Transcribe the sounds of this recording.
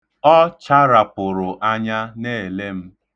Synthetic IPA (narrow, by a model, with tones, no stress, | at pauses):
ɔ˦t͡ʃa˦ɾa˨pʊ˨ɾʊ˨ʔa˦ɲa˦ne˦˨e˨le˦m̩˦